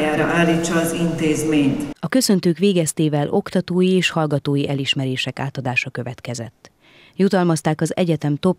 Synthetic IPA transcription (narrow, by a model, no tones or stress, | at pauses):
jaːɾɒʔaːlːiːt͡ʃːɒːzint̪eːzmeːɲt̪ɒkø̞sø̞nt̪øːkʋeːɡɛst̪eːvɛlʔo̞kt̪ɒt̪oːjieːʃhɒlɡɒt̪oːjiʔɛliʃmɛɾeːʃɛka̰ːt̪ɒd̪aːʃɒkø̞vɛt̪kɛzɛ̰t̪ː | jut̪ɒlmɒst̪aːkɒzɛ̰ɟɛt̪ɛmt̪o̞p